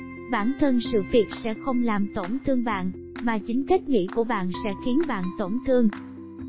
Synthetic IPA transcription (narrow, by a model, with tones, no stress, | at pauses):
ɓaː˧˩nt̪ʰə˧nsɨ̰˧˨vi˨˩ət̚sɛ̰˧˥xə˧wŋ͡mlaː˨˩mt̪o˧˩nt̪ʰɨ˧əŋɓa̰ː˧˨n | maː˨˩t͡ɕï˨˦ŋ̟ka˦˥k̟̚ŋḭ˧˥ku˧˩əɓa̰ː˧˨nsɛ̰˧˥xi˨˦ənɓa̰ː˧˨nt̪o˧˩nt̪ʰɨ˧əŋ